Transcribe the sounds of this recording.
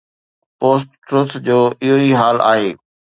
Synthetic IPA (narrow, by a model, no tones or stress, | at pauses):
poːs̬ʈːɾuːt̪ʰd͡ʑoːʔɪɦoiɦaːla̰ːɦeː